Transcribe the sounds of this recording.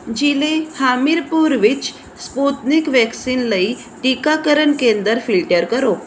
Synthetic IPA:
d͡ʑilehamiɾpuɾʋit͡ɕ | spot̪nikʋɛksinləi | ʈikakəɾəɳkend̪əɾfilʈəɾkəɾo

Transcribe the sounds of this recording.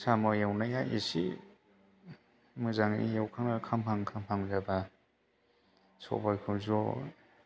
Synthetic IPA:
samɔjawnajajisḭ | mɯzaŋnijawkʰaŋnakʰamhʰaŋkʰampʰaŋzaba | sɔ̰bajkʰɯwzɔ

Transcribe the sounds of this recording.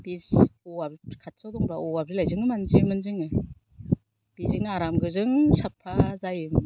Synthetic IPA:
b̥isɔabkʰat̚sadɔŋɾaʔɔab̚ɾɯlajzɯŋɯmanzimɯnzɯŋɯ | b̥izɯŋɯaɾamɡɯzɯŋsapʰazajɯŋ

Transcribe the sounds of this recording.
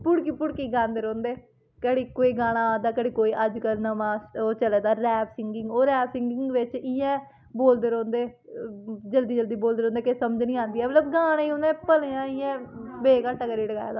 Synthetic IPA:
pʊɽkiːpʊɽkiːɡãːnd̪eːɾõːnd̪eː | kəɽiːkoːiːɡaːɽ̃ãːd̪aːkəɽiːkoːiːʔəd͡ʒkəlnəmãːoːt͡ʃəlɛːd̪aːɾɛːbsɪŋɡɪŋɡoːɾɛːbsɪŋɡɪŋɡʋɪt͡ʃɪjɛ̃ː | boːld̪eːɾõːnd̪eː | d͡ʒəld̪iːd͡ʒəld̪iːboːld̪eːɾõːnd̪eːkesəməd͡ʒnĩːãːnd̪iːɛːmət̪ləbɡaːɽ̃eːiõːnd̪ɛ̃ːpəlːãːɪjɛ̃ːbeːkaːʈːəkəɾiːɖəɡa̰ːja̰ːd̪aː

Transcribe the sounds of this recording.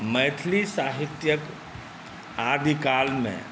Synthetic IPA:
məːt̪ʰlisaːɦɪt̪jək | aːd̪ʱikaːlmḛ̃

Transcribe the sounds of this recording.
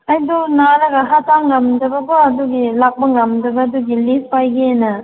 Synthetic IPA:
ɐjdunaɾɐɡɐɦataŋɐmdɐbɐbɐɐduɡilak̚bɐŋɐmdɐbɐːduɡilispajɡeenɐ

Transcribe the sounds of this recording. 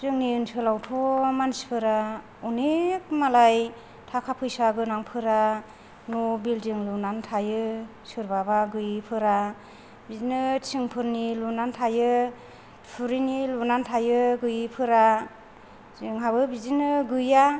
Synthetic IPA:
zɯŋniɯnsɯlawtʰɔmanspʰɯɾa | unek̚malaj | tʰakʰapʰɯjsaɡɯnaŋpʰɯɾa | nubildɯŋlunantʰajɯ | sɯɾbabaɡɯjpʰɯɾa | bizinɯt͡ʃʰiŋpʰɯɾnilunantʰajɯ | pʰuɾinilunantʰajɯɡɯjpʰɯɾa | zɯŋɦabɯbizinɯɡɯja

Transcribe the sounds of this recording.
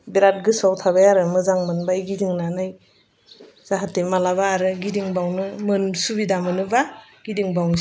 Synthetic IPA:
biɾat̚ɡɯsawtʰaβajaɾɯmɯzaŋmɯnbajɡidiŋnanaj | z̥aɦatemalaβaːɾɯɡidiŋbawnɯmɯnsubidamɯnɯbaɡ̥idiŋbawn

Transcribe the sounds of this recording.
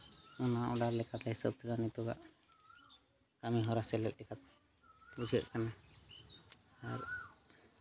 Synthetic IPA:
ɔnaʔɔɖaɾlɛkat̪aɦisɔb̚t̪ɛdanit̪ɔɡa̰ʔ | kamiɦɔɾasɛlɛt̪̚ˀɗɛkat̪̚ | bud͡ʒɛ̰ʔkana | aɾ

